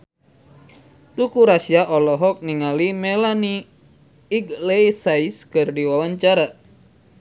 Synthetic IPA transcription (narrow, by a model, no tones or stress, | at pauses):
t̪ukuɾasiaʔɔlɔɦɔk̚niŋalimɛlaniː | ɡlejsaiskɨrdiwawaɲt͡ʃaɾa